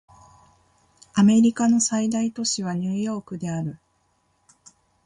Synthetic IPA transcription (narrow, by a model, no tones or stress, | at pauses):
ame̞ɾʲikano̞said̪ait̪o̞ɕiβ̞aɲ̟ɨːjo̞ːkɯ̟d̪e̞aɾɯ̟